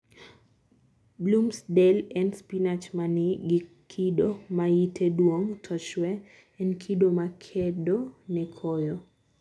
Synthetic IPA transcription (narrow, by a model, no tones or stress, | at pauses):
blumsdɛlɛnspinat͡ʃmanɪɡɪ | kʰidomajitʰedwoŋtʰɔt͡ʃwɛ | ɛnkʰidomakʰɛdonɛkʰɔjɔ